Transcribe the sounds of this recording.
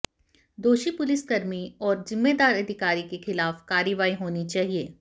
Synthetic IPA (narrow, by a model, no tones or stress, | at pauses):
d̪oːʃipʊlɪsɡɐɾmiɔːɾzɪmːed̪aːɾɐd̪ʱɪkaːɾikexɪlaːfkaːɾɪʋaːiɦoːnit͡ʃaːɦieː